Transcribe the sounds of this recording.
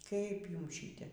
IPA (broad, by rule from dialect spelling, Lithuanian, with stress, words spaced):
kɐɪp ˈjʊms ˈʃʲiːtʲɛ